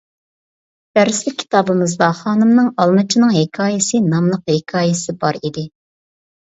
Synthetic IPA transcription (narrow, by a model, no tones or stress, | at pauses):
b̪̥æɾɪslɪk̚ʲʰːi̥t̪ɑːbɨmɨzd̪ɑχɑːnɨmnɨŋɑlˠmɨt͡ʃʰinɨŋɦekʰɑːjɪsɨnɑmlˠəqhekʰɑːjɪsɪbɑɾid̪ɪ